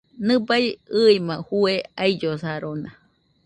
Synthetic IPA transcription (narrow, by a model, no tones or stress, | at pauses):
nɨbajɨimahueaid͡ʒosaɾona